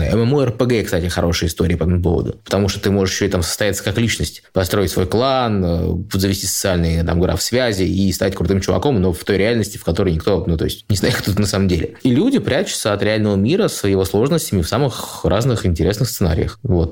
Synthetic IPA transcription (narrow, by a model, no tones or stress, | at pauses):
ə̰ɛmɛmuɛrpəɡɛkst̪atʲɪxɐɾʔo̞ʂɨjəɪst̪o̞ɾʲɪːpɐɛt̪əmʊp̬o̞̰və̰d̪ʊ̰pət̪ɐmuʂt̪ot̪ɨmo̞ʐɨʂjɕːoɪt̪amsə̥st̪ɐjat̪sə̥kaklʲit͡ɕnəsʲtʲpɐst̪ɾo̞ɪtʲsvo̞jklˠanə̰zəvʲɪsʲtʲisə̥sɨalʲnɨjt̪a̰mɡɾa̰fsvʲæzʲɪist̪atʲkɾʊt̪ɨmt͡ɕʊvɐ̰ko̞mno̞ft̪o̞jɾʲɪalʲnəsʲtʲɪ̥fkɐt̪o̞ɾəjnʲɪkt̪o̞nut̪oɪsʲtʲnʲɪznajkt̪ot̪ut̪nɐsaməmdʲelʲɪilʲudʲɪpɾʲʔæt͡ɕʊ̥t̪səɐt̪ɾʲɪalʲnəvəmʲiɾəsjɪvo̞slˠo̞ʐnəsʲtʲɪmʲɪfsamɨxraznɨxɪnʲtʲɪɾʲe̞snɨxssɨna̰ɾʲɪ̰jə̰xvo̞t̪̚